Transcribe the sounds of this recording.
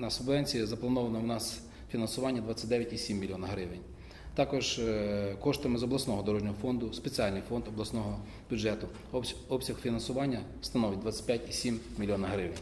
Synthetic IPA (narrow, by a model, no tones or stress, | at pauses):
nɐsʊblɛnʲt͡sʲijɛzɐplˠɐnɔʋɐnɔwnɑs | fʲinɐnsʊʋɑnʲːɐd̪ʋɑt͡sʲːɐt̚ʲd̪ɛʋʲjɐtʲisʲimːʲilʲiɔnɐɦɾɪʋenʲ | t̪ɑkɔʒ | kɔʃt̪ɪmɪzɔblˠɐsnɔɦɔd̪ɔɾɔʒnʲɔɦɔfɔnd̪ʊspet͡sʲiɑlʲnɪjfɔnd̪ɔblˠɐsnɔɦɔ | bʲʊdd͡ʒɛt̪ʊ | ɔbsʲɐxfʲinɐnsʊʋɑnʲːɐ | st̪ɐnɔʋʲɪt̚ʲd̪ʋɑt͡sʲːɐ̥tʲpʲjatʲisʲimmʲilʲijɔnɐɦɾɪʋenʲ